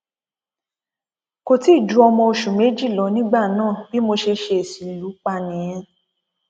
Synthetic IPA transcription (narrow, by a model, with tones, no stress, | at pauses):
ko˦ti˦˨d͡ʒu˨˦ɔ˧mɔ̃˧o˧ʃu˨me˨˦d͡ʒi˦˨lɔ˨˧nĩ˦ɡ͡ba˦˨nãː˦˨bi˨˦mo˧ʃe˧ʃe˧e˨si˨lu˨˦k͡pa˧nĩ˨j̃ɛ̃˧